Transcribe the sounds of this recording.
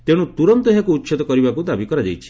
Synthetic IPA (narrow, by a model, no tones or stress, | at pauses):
t̪eɽ̃ut̪uɾɔnt̪ɔɦakuːtːt͡ʃʰit̪ɔkɔɾibakud̪abikɔɾad͡ʒ̪ejt͡ʃʰi̥